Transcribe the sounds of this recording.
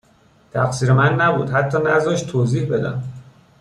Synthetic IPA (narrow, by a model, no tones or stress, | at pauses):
t̪ʰæxsiːɾemænːæbṵːd̪ɦæt̪ʰːɒːnæzdeʃt̪ʰːoːziːhbe̞d̪æ̰m